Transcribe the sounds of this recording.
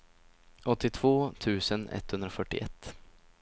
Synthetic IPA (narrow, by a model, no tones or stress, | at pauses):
ɔt̪ːɪt̪ʰv̥oːt̪ʰʉ̟ːsənɛ̰t̪ːhɵnd̪ɾafœʈːɪ̰ʔɛt̪ː